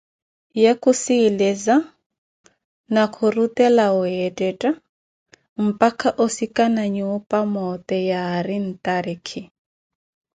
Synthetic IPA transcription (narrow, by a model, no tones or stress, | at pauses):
jakʰʼusilɛza | nakʰurut̪ʼɛlauɛtʼɛtʼa | m̩pʼakʰaʔosikʼanaɲuːpʼamɔt̪ʼɛjaːɾin̩t̪ʼaɾikʰi